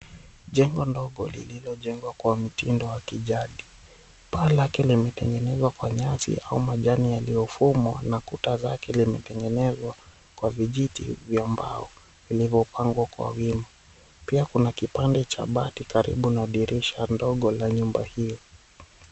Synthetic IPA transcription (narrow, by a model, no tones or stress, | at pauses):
ʄɛŋɡɔndɔɠɔlḭlilɔʄɛŋɡwakwam̩tindɔwakiʄaɗi | paːlakɛlimɛtɛŋɡɛnɛzwakwaɲasḭʔaumaʄanijaliɔfumwa̰nakutazakɛlimɛtɛŋɡɛnɛzwa | kwaviʄitḭvjamba̰ɔ | ilivɔpaŋɡwakwa̰wima | piakunakipandɛt͡ʃa̰ɓatikaɾḭɓunaɗiɾiʃandɔɠɔlaɲumbahijɔ